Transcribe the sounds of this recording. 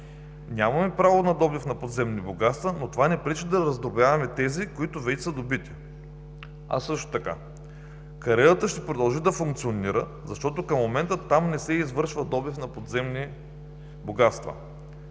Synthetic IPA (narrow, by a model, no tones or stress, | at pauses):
nʲamɐmɛpɾavonɐd̪ɔbifnɐpod̪zɛmniboɡat̪st̪vənot̪ovanɛpɾɛt͡ʃid̪ɐɾɐzd̪ɾobjavɐmɛt̪ɛzikoit̪ʊvɛt͡ʃɛsəd̪obit̪i̥ | ɐ̰sɤʃt̪o̥t̪ɐka̰ | kɐɾɛlˠət̪əʃt̪ɛpɾod̪ɐlˠʒid̪ɐfuŋkt̪sioniɾə̰ | zɐʃt̪ɔt̪okɐmːomɛnt̪ət̪amnɛsɛizvɤɾʃvɐd̪ɔbifnɐpod̪zɛmni | boɡat̪st̪vɐ̰